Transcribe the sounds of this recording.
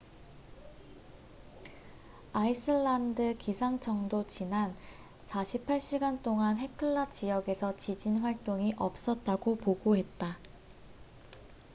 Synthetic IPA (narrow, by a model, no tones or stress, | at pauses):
aisʰɯɭːandɯkisʰaŋt͡ɕʰʌŋdot͡ɕinan | saɕʰipʰaɭɕ͈iɡant͈oŋanɦe̞kʰɯɭːat͡ɕijʌɡe̞sʰʌt͡ɕid͡ʑinɸwaɭt͈oŋiʔʌp̚s͈ʌt̚t͈aɡopoɡoɦe̞t̚t͈a